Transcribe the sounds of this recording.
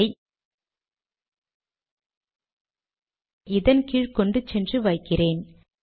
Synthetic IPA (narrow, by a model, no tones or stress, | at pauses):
ɪ | ɪðɐnkiːɻkɔɳɖɯt͡ʃːɛndrɯʋɐɪkːɪreːn